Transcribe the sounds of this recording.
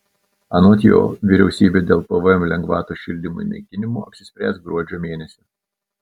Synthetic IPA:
ɐnoːt̪ʲjo̰ːʋʲɪɾʲɛʊsʲiːbʲeːd̪ʲeːlˠpɐʋomlʲɛŋɡʋɑːt̪uʃʲɪlʲd̪ʲɪmṵḭnʲɐ̰ɪkʲɪnʲɪmṵːɐpʲsʲɪ̥sʲpʲɾʲæːsɡɾuɔd͡ʒʲoːmʲeːnʲɛsʲʊ

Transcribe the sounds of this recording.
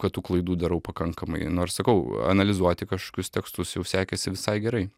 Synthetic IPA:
kɐtt̪uːklˠɐɪd̪uːd̪ɐɾɐʊpɐkɐŋkɐmɐ̰ɪnoːrssɐkɐʊɐ̰nɐlʲɪzuɔt̪ʲɪkɐʃkoɔːkʲʊst̪ʲɛkst̪ʊsjɛʊsʲæːkʲɛsʲɪʋʲɪsɐɪɡʲɛɾɐɪ

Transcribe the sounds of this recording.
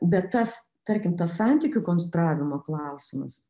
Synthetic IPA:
bʲɛt̪ːɐs | t̪ɐɾʲkʲɪmt̪ɐssɑˑnʲt̪ʲikʲukoːnsʲt̪ɾɑːʋʲɪmoːklˠɐʊsʲɪmɐ̰s

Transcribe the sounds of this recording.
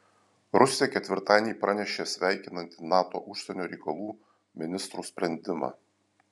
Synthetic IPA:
ɾʊsʲɪjɛkʲɛt̪ʲʋʲɪɾt̪ɑːnʲiːpɾɑnʲɛʃʲeːsʲʋʲæˑɪkʲɪnɐnʲt̪ʲinɑːt̪o̰ːʔʊʃʲsʲɛnʲoːɾʲɛɪkɐlˠuː | mʲɪnʲɪst̪ɾuːsʲpʲɾʲɛnʲd̪ʲɪmɑ̰ː

